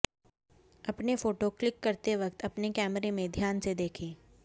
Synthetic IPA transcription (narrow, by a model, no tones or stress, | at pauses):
ɐpnefoːʈoklɪkːɐɾt̪eʋɐk̚t̪ɐpnekɛːməɾemẽd̪ʱjaːnsed̪eːkʰẽː